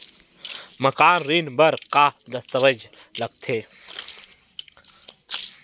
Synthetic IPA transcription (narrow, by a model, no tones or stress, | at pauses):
mɐkaːnɾiːnbɐɾqaːd̪ɐst̪ɐʋɐd͡ʒlɐɡ̚t̪ʰeː